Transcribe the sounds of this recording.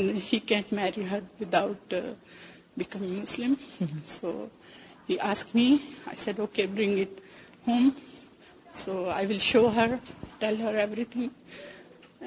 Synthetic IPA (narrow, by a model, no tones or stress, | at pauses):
nhiːkɛ̃ɳʈmɛɾiɦəɾʋɪd̪aʊʈ | bɪkʌ̃mɪ̃mʊslɪ̃mso̰ː | hiːʔaːsk̚ʈmiaɪsɛɖoːkebɾɪ̃ŋɡɪʈ | hõːm | soːa̰ɪʋɪlʃoːɦəɾʈɛlɦəɾɛʋɾit̪ʰɪ̃ŋ